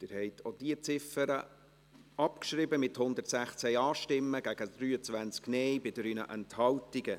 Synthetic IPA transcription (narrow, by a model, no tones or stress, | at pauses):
d̪̥ɪːɾhɛɪtʰod̥iət͡sɪfəɾə | ʔɑpkʃɾɪbəmɪthʊnd̪ətsæχt͡sɛjɑːʃtɪmːəɡ̥æɡ̥əd̥̪ɾyːət͡sʋænt͡sknɛjbɪd̥əɾynə̰ʔɛnthɑltiɡə